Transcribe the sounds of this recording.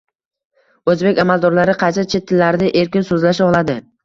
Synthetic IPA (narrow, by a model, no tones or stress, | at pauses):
ɵzbe̞kʲamalˠd̪ɒɾlaɾɪqʰɑt͡ʃʰat͡ʃʰet̪ʰːɪlːaɾɪnɪʔe̞ɾkʲɪnsɵzlaʃaɒlˠad̪ɪ